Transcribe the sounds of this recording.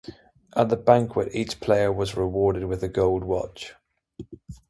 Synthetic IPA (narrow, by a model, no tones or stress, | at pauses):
ʔəʔðəbãŋkʰwətiˑt͡ʃpʰl̥eɪəwɒzɹɪwɔːɾɪd̚wɪðəɡɒʊlˠd̚wɒ̰t͡ʃ